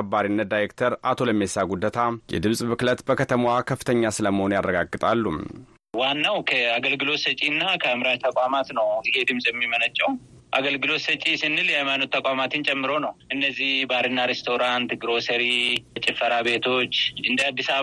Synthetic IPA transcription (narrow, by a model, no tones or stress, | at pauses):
əbːaɾinːət̪̚d̪ajɾekt̪ʰəɾat̪ʰo̞ləmesaɡud̪ːət̪ʰajɛ̰d̪ɨmsʼmɨklət̪bəkʰət̪ʰəmwakʰəfːɨt̪ʰəɲːasɨləməho̞nujarːəɡaɡːɨt̪ʼalːum | wanːawkʰəaɡəlɡɨlo̞t̪sət͡ʃʼinːakʰəɨmɾaʒt̪ʰəkʼamat̪nəwɪhe̞d̪ɨmsʼjɛmːimənət͡ʃʼːɛw | ʔa̰ɡəlɡɨlo̞t̪sət͡ʃʼisɨnːɨljɛhajmanut̪ːəkʷʼamat̪ʰɨnt͡ʃʼɛmːɨɾo̞nəwʔɨnːəzːihbaɾɨnːaɾest̪ʰo̞ɾant̪ɡɾo̞səɾit͡ʃʼɪfːəɾabe̞t̪ʰo̞t͡ʃːɨnd̪əad̪ːisa